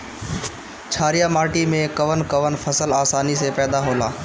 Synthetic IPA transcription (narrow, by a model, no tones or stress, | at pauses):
t͡ʃʰaːɾɪjaːmaːʈimẽkəʋənkəʋənpʰəsəlaːsaːniseːpɛːd̪aːɦoːlaː